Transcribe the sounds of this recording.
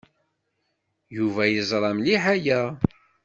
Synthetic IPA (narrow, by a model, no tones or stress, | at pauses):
juvæjəzˤɾˤɑmliħæjæ